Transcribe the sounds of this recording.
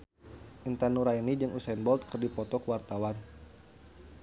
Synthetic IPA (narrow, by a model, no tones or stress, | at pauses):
ʔint̪anuɾainid͡ʒɨŋʔusaɛnbɔlt̪̚kərdipɔt̪ɔkəwart̪awan